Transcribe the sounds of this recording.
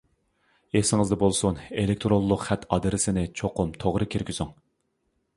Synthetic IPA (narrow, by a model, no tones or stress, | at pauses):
esɪŋɪzd̪ɛbolˠsunelɪk̚ʲt̪ʰɾolˠːʊqχɛt̪ʰɑd̪ɨɾɪsɪnɪt͡ʃʰoqʊmt̪ʰoʁɾɨkʲʰeɾkʲysuŋ